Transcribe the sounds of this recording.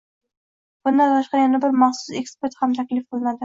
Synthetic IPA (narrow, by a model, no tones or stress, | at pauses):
b̥ʊnd̪ant̪ʰaʃqɑjanabɪɾmɑχsʊ̥se̞kspoɾt̪hamt̪ʰakʲlɪfqɨlˠɪnad̪ɪ